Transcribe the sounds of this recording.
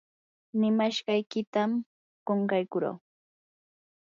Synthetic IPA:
nɪmaʃɢɑjkɪt̪am | ɢoɴkɑjkʊɾo̰ː

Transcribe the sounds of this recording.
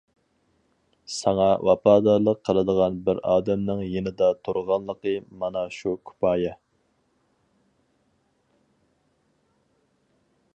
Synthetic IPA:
sɑŋɑwʔɑpɑːd̪ɑɾlˠəqʰːəlˠəd̪əʁɑnbɪɾɑːd̪ɛmnɨŋjenɪd̪ɑt̪ʰuɾʁɑnlˠəqəmɑnɑʃukʰy̥pʰɑːjɛ

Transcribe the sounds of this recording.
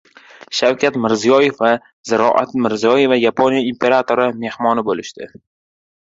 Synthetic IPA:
ʃawkʲʰat̪mɪɾzijɒje̞fva | zɪɾɒ̰ʔat̪mɪɾzijɒje̞vajapʰonjaimpʰe̞ɾat̪ʰoɾɪme̞hmɒnɪbolɪʃt̪ɪ

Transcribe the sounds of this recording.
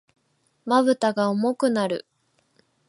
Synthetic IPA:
maβɯ̟t̪aɡaomo̞kɯ̟naɾɯ̟̰

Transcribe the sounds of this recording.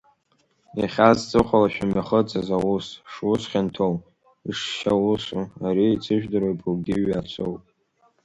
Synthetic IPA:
iχʲazt͡sʼɨχʷalaʃᶣamaχət͡sʼazawusʂwusχʲantʰow | iʂʃawusuaɾiit͡sʰɨʒᶣdɨɾojpʰʼlɡʲɪɥat͡ʃʷʰowpʼ

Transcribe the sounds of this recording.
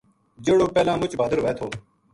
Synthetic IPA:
d͡ʒeːɽoːpɛːlãːmʊt͡ʃbəd̪əɾʋeːt̪ʰoː

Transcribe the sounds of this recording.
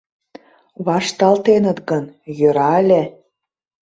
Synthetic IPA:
βɑʃt̪ɑlt̪enə̆t̪ɡə̆njø̆ɾɑlʲe

